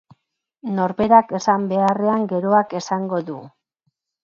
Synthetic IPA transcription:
no̞ɾβe̞ɾake̞sambe̞are̞aŋɡe̞ɾo̞ake̞saŋɡo̞ðu

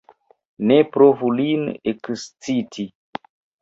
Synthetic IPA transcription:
nepɾovulinekst͡sitʰi

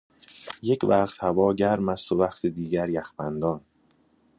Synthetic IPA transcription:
je̞cʰvæχt̪hævɒːɟæɾmæst̪ovæxt̪ʰed̪iːɟæɾjæxbænd̪ɒːn

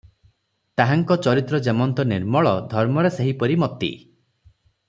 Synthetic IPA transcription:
t̪aɦaŋkɔt͡ʃɔɾit̪ɾɔd͡ʒemɔnt̪ɔniɾmɔɭɔd̪ʱɔɾmɔɾeseɦipɔɾimɔt̪ḭ

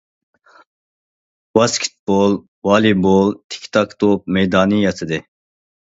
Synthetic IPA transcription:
bɑskʰi̥t̪̚bol | wɑːlibolt̪ʰi̥kt̪ʰɑkt̪op̚mɛjd̪ɑːnijɑt̪ʰɨd̪ɪ

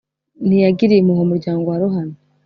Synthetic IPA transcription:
nijaɡiɾimuhomuɾɟaːŋɡoaɾoɦana

